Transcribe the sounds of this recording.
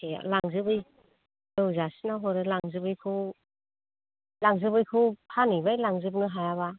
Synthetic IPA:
ea̰laŋzɯbɯj | ɯwzasinawɦɔɾɯlaŋzɯbɯjkʰɯw | laŋzɯbɯjkʰɯwpʰanɯbajlaŋzɯp̚nɯɦajaβa

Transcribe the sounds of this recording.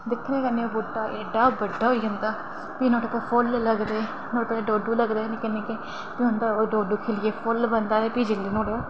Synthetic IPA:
d̪ɪkʰɾẽːkənːẽoːboːʈːaːʔeɖaːbəɖːaːɦoiːɦə̃nd̪aː | piːnõːʈːpeːpʰʊlləɡd̪eː | noːʈːpːeɖoːɖuːləɡd̪aːneːkɪnːẽːke | piːɦʊ̃nd̪aːoɖoːɖuːkʰeːlɪjeːpʰʊlbənd̪aːɾeːpiːd͡ʒɪlːiːnõːɽeaː

